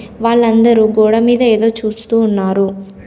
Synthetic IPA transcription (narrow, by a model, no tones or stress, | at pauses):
ʋaːɭːɐnd̪ɐɾuɡɔːɽɐmiːd̪ɐeːd̪o̞ːt͡ʃuːst̪uːnːaːɾu